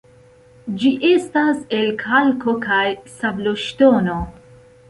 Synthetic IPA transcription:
d͡ʒiʔest̪aselkʰalkokʰajsabloʃt̪oːno

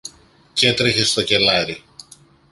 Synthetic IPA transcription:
ce̞t̪ɾeçe̞st̪o̞ce̞lɐɾi

